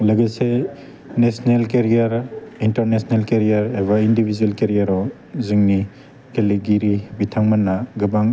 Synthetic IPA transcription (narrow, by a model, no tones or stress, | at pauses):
lɐɡese | nesnelkeɾijaɾintɐɾnesnelkeɾijaɾebɐindibʱizuelkeɾijaɾɔ | ziŋni | keliɡiɾibitʰaŋmɐnːaɡɯbaŋ